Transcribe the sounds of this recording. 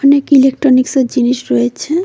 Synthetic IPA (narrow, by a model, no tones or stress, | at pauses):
nekilek̚ʈɾoniksod͡ʑiniʃɾojet͡ɕʰe